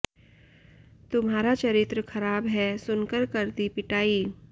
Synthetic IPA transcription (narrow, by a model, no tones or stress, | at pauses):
t̪ʊmɦaːɾat͡ʃɐɾɪt̪ɾəkʰɐɾaːbɦɛsʊnkəɾkɐɾd̪ipɪʈaːiː